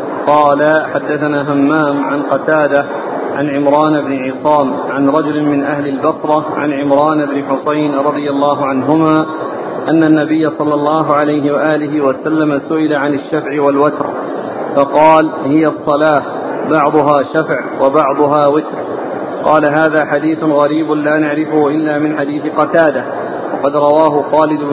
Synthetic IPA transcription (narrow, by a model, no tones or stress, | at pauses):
qɑːlaħad̪ːaθanaːɦamːaːmʕanqɑt̪aːd̪a | ʕa̰nʕɪmɾˤɑːnɪbnɪʕɪsˤɑːm | ʕa̰nɾˤɑd͡ʒʊlɪmɪnʔahlɪlbɑsɾˤɑʕa̰nʕɪmɾˤɑːnʔɪbnɪħʊsajnɾˤɑd̪ˤɨjalːɑːɦʊʕanɦʊmaː | ʔanːanːabɪjːasˤɑlːɑlˤːɑːɦʊʕalajɦɪwaʔaːlɪɦɪwasalːamasʊʔɪlaʕanaʃːafʕɪwalwat̪ɾ | fɑqɑːlhɪjasˤːɑlaːh | bɑʕd̪ˤʊɦaːʃafʕwabɑʕd̪ˤʊɦaːwɪt̪ɾ | qɑːlaɦaːðaːħad̪iːθʊnɣɑɾiːbʊnlaːnaʕɾɪfʊhʊʔɪlːaːmɪnħad̪iːθɪqɑt̪aːd̪a | wɑqɑd̪ɾˤɑwaːɦʊxaːlɪd̪ʊb